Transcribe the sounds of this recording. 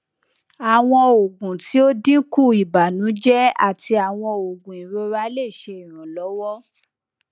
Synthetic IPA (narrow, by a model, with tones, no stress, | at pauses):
a˨w̃ɔ̃˧o˨ɡũ˨ti˨˦o˦dĩ˦ku˦˨i˨ba˨nũ˨˦d͡ʒɛ˦a̰˦˨ti˧a˨w̃ɔ̃˧o˨ɡũ˨i˨ɾo˧ɾa˧˦le˦˨ʃe˧i˨ɾ̃ã˨lɔ˨˦wɔ˦